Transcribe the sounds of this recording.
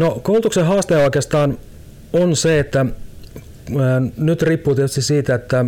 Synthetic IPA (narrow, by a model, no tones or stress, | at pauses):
nokoult̪ukseɦɑːst̪eːɑoˑkeːst̪ɑːn | onseet̪ːæ | nyt̪ripːuːt̪iet̪yst̪isiːt̪æet̪ːæ